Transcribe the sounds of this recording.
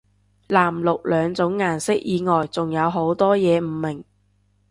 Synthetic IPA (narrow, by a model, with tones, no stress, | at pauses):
laː˨˩mlʊ˨k̚lœː˨˧ŋt͡sʊ˨˥ŋːaː˨nsɪ˥k̚jiː˨˧ŋɔː˨jt͡sʊ˨ŋjɐ˨˧wɦo˨˥wt̪ɔː˥jɛː˨˧m̩˨˩mːɪ˨˩ŋ